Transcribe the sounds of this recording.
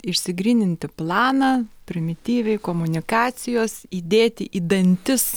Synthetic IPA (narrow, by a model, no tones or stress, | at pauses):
ɪʃʲsʲɪɡɾʲiːnʲɪnʲt̪ʲɪplˠɑːnɐːpʲɾʲɪmʲɪt̪ʲiːʋʲɛɪkoːmʊnʲɪkɑːsʲɪjoːsiːd̪ʲeːt̪ʲɪʔiːd̪ɐnʲt̪ʲɪs